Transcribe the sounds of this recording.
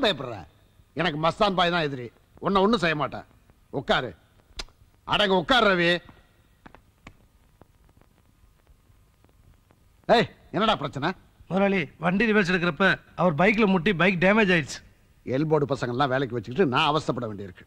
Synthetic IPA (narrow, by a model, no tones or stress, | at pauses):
bɐjɐpːɐɾɐlɐ̰ | ɛnɐk̬ːɯmɐst̪aːnbaːjt̪ãːɛðɪɾi | ɔnːɐɔnːɯ̃sɛjːɐmaːʈːã̰ː | ɔkːaːɾɯ̰ | ʔɐ̰ðɐːŋɡɐɔkːaːɾɾɐʋiː | eː | ɛnːɐɽaːpɪɾɐt͡ʃːɐnɐ | mʊɾaːɭiʋɐɳɖinɪʋeːsɛɽɯk̬ːɪɾɐpːɐɐʋɐɾbɐɪk̬ːɪlɐmʊʈːibɐɪk̚ɖeːmeːd͡ʒaːɪʈsɯ̥ | ɛlboːɽɯpɐsɐŋɡɐɭɛlːãːʋeːlɛk̬ːɯʋɐt͡ʃːɯkːɪʈːɯnãːɐʋɐst̪ɐpːɐɽɐʋeːɳɖɪɪɾɯkːɯ̥